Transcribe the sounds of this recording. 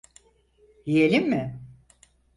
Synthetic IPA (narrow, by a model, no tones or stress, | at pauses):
jijelʲimːɪ